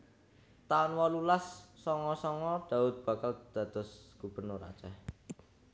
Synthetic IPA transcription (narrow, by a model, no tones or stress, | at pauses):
t̪aʊnwɔlulasːɔŋɔsɔŋɔd̪̥a̤ʊt̪̚b̥a̤kald̪̥ä̤d̪̥ɔ̤sɡ̥ub̥ə̤rnʊɾa̰t͡ʃɛh